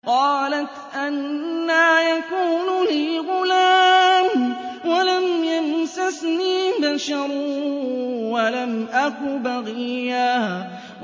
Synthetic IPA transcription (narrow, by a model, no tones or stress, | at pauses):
qɑːlat̪ʔanːajakuːnliːɣʊlaːmwalamjamsasniːbaʃɑɾˤu | walamʔakʊbaɣɪja